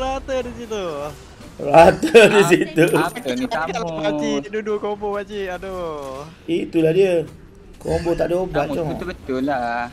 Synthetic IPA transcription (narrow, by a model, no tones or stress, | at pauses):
ɾat̪ədisit̪u | rat̪ədis̬it̪uaat͡ʃiduduʔkombɔbat͡ʃiʔado | it̪ulahdiə | kombot̪aʔdobaʔt͡ʃɔbət̪ʊla